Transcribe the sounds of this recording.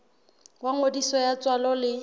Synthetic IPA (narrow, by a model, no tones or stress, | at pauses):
waŋodisɔjat͡sʼwalɔlɪ